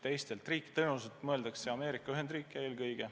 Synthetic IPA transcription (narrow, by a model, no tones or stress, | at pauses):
t̪e̞jst̪e̞lt̪riːkːˑi̥t̪ɤnus̬et̪mɤe̞ld̪̥ɑkse̞ɑme̞ːɾikːˑɑyɦe̞nd̪̥riːkːˑee̞ːlkɤjɡ̥e̞